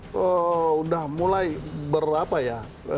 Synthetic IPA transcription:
əudahmulajbərapaja

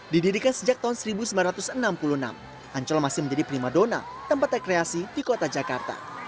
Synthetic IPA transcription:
dididikansəd͡ʒak̚t̪aɦʊnsəɾibusəmblanɾat̪ʊsənampuluna̰m | aɲt͡ʃɔlmasɪməɲd͡ʒadipɾimadona̰t̪əmpat̪rekɾeasidikot̪ad͡ʒakart̪a̰

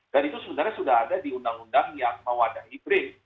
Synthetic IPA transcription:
d̥anit̪usəbənarɲasudahɦadadiundaŋundaŋjaŋməwadahibɾɪn

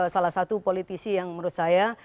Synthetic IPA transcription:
salasat̪upolit̪isijaŋməɾusaja

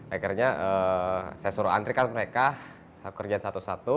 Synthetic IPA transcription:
akirɲaʔəsajasuɾua̰nt̪ɾikanməɾeka | sau̥kərd͡ʒansat̪usat̪u

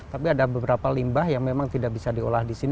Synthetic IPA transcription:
t̪apiadabəbəɾapalimbahjaŋmemaŋt̪idak̚bisadio̰lahdisin

